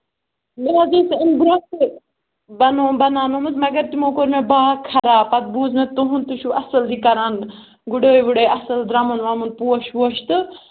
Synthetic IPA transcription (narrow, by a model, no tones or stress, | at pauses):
meɾaːziːsinɡuɾaːe | bɐnoːbɐnaːnomɨsmɐɡɐɾt̪imoːkoɾmebaːkʰɐɾaːpɐt̪̚buːzmet̪uɦunt̪uʃuʔɐsɐld̪ikɐɾaːn | ɡuɖəːjʋuɽeːɐsɐld̪ɾɐmɐnʋɐmunpuːɐʃuɐʃt̪ɨ